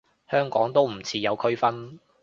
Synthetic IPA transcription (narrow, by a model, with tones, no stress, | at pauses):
hœː˥ŋkɔː˨˥ŋt̪o˥wm̩˨˩t͡sʰiː˨˧jɐ˨˧wkʰɵ˥ɥfɐ˥n